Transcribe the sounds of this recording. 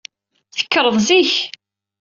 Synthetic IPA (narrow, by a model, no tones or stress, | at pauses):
θə̥kːəɾˤəðˤziç